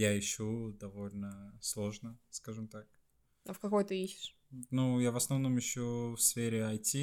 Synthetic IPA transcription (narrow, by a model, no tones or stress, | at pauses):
jaɪɕːud̪ɐvo̞lʲnəslˠo̞ʐnəskaʐɨmt̪ak̚ | ɐfkɐko̞jt̪ɨiɕːɪ̥ʂ | nujavəsnɐvno̞mɪɕːufsfʲeɾʲɪɐjtʲi